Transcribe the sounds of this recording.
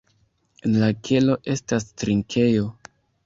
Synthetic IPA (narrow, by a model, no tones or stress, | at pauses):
enlakʰe̞lo̞ʔe̞stastɾiŋkʰe̞jo̞